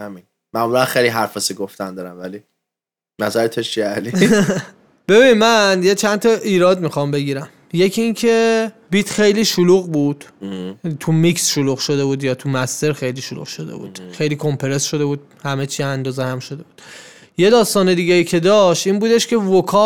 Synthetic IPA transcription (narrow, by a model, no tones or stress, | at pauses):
hæmin | mæmulænxejliɦæɾfɒsiɡoft̪ænd̪ɒːɾænvæli | næzæɾet̪ʰot͡ʃʰiæli | b̥e̞binimænjet͡ʃʰænt̪ʰɒʔiːɾɒːd̪mixɒmbe̞ɟiːɾæm | je̞cʰiiːncʰe̞ | bit̪ʰxejliːʃuluːɣbuːd̪̥ | t̪ʰumiksʃoluːɣʃo̞d̪e̞buːd̪jɒːt̪ʰumæst̪e̞ɾxe̞jliːʃolṵɣʃo̞d̪ḛbṵːd̪̥xe̞jliːkʰo̞mpʰeɾe̞sʃo̞d̪e̞buːd̪̥̚hæme̞t͡ʃʰiːænd̪ɒːzehæmʃo̞d̪e̞buːd̪̥ | je̞d̪ɒːst̪ɒːne̞d̪iːɟeiːcʰe̞d̪ɒʃt̪iːnbuːd̪eʃcʰe̞vokʰɒː